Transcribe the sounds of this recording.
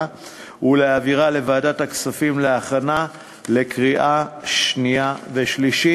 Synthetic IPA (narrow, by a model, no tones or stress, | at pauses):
uleaviʁale̞vaːdathaksafimleaχana | le̞kʁiʔaʃnijaveʃliʃi